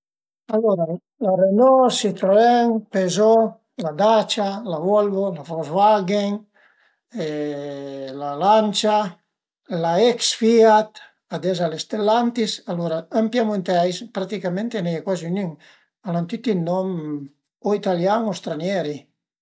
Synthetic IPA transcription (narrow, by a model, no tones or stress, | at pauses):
alɔɾa | larenɔsit̪ɾoɛŋpezɔ | lad̪at͡ʃalavɔlvolafɔzvaɡeŋ | e | lalant͡ʃa | laɛksfiat̪ | ad̪ɛzalest̪elːant̪isaloɾaampjamunt̪ajspɾat̪ikamẽnt̪enɛjakwazynyŋ | alant̪yt̪ilnɔm | oit̪aljaŋost̪ɾanjɛɾi